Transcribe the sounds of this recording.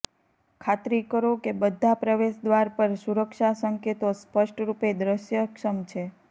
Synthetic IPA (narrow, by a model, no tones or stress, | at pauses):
kʰat̪ɾikəɾokebəd̪ʱapɾəʋeʃd̪ʋaɾpəɾsuɾəkʃasəŋket̪ospəʃʈɾuped̪ɾəʃjəkʃəmt͡ʃʰe